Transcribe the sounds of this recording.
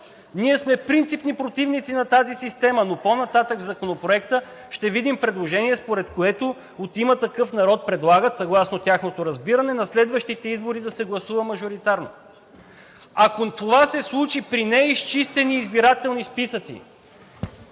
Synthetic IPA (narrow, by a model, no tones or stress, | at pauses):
niɛsmɛpɾint̪sipnipɾot̪ivnit̪sinɐt̪azisist̪ɛmənoponɐt̪at̪əɡvzɐkonopɾoɛkt̪ə | ʃt̪ɛvid̪impɾɛd̪lˠoʒɛniɛspoɾɛt̪koɛt̪o | ot̪imət̪ɐkɤfnɐɾɔt̪̚pɾɛd̪lˠaɡət̪sɐɡlˠasnot̪ʲjaxnot̪oɾɐzbiɾɐnɛnɐslɛd̪vəʃt̪it̪ɛizboɾid̪ɐsɛɡlˠɐsuvəmɐʒoɾit̪aɾno̰ | akot̪ovasɛslˠut͡ʃipɾinɛist͡ʃist̪ɛniːzbiɾat̪ɛlˠnispisət̪sḭ